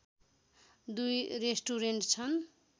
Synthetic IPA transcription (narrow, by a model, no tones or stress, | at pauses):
d̪ujresʈuɾeɳʈt͡sʰʌn